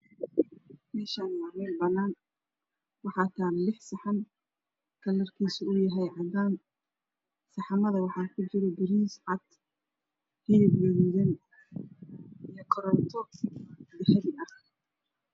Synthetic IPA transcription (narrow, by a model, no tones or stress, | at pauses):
mɛːʃaːnjamɛlbɐnːaːn | wɑħɑːt̪ʰaːɾlɪħsɐħɑn | kʰɐlɐrkʰiːsʊʊjɐɦɛjʕɑd̪aːn | sɑħɑmɐðɐwɑħɑːkʰʊt͡ʃɪɾɛbɪɾiːsʕɑd̪ | hɪlɪbjɛjɛjɐn | ijɞkʰɔɾɔt̪ʰɔ | d̪ɛħɛðɪɐh